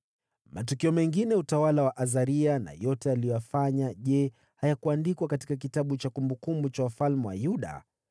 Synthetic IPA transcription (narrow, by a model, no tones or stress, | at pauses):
matukiɔmɛŋɡinɛutawalawaʔazaɾiana̰jɔtɛalijɔjafaɲaʄɛ | hajakuandikwakati̥kak̬itaɓut͡ʃakumbukumbut͡ʃawafalmɛwa̰juɗa̰